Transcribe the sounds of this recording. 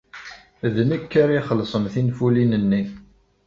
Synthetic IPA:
ðnikːaɾiχəlːsˤəmθinfulinənːi

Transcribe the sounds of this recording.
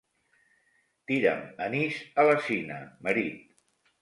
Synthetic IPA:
t̪iɾə̰məniʃələsinə̰məɾit̪̚

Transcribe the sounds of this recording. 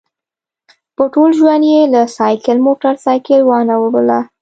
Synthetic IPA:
pəʈolʒwand̪jelasɑjkɪlmoʈaɾsɑjkɪlwɑnawəbəla

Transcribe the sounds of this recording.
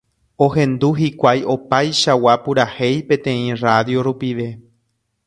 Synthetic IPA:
oɦẽ̞nd̪uɦikʷajʔo̞pajʃawapuɾahe̞jpẽ̞t̪ẽ̞ĩraðjo̞ɾupiʋe̞

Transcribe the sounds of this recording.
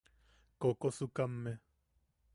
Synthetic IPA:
kokosukamːe

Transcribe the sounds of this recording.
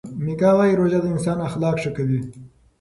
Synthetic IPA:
mikɑɣɑiɾoʒad̪əɪnsɑːnaxlɑkʂəkawi

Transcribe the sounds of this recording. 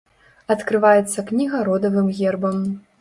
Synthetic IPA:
ɐt̪kɾɨvajɛt̪sːɐknʲiɣɐɾɔd̪ɐvɨmɣʲɛrbɐm

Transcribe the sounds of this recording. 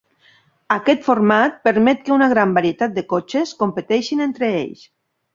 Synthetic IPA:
akɛt̪foɾmat̪̚pəɾmɛt̪̚kəunaɣɾambaɾiet̪at̪̚d̪əkot͡ʃeskompət̪ɛʃinent̪ɾeḛʎs

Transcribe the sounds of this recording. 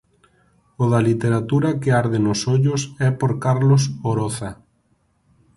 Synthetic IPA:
oðalit̪eɾat̪uɾakeaɾðenosoʎʊsɛpoɾkaɾlosoɾoθa

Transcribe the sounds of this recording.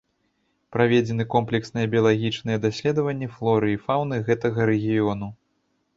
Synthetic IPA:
pɾavʲed͡zʲɛnɨkɔmplʲɛksnɨjɛbʲijɐlˠaɣʲit͡ʂnɨjɛd̪asʲlʲɛd̪ɐvɐnʲːɛflˠɔɾɨifawnɨɣɛt̪ɐɣɐɾɛɣʲijɔn̪u

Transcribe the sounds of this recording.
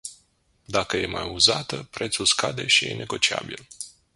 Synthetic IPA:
d̪akəje̞majuzat̪əpɾe̞t̪sulskad̪e̞ʃijḛnʔe̞ɡo̞t͡ʃia̰bil

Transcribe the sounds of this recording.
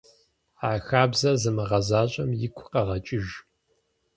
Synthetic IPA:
aːxaːbzɐzɨmɐʁɐzaːɕʼɐmjɪkʷʰʊqɐʁɐt͡ʃʼɪʒ

